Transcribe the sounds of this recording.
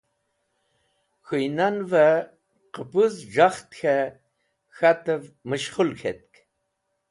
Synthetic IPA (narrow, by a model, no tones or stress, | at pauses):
xɨjnanva | qəpuzʐaχt̪xa | xat̪ɐvmɨʃχʊlxḛt̪̚k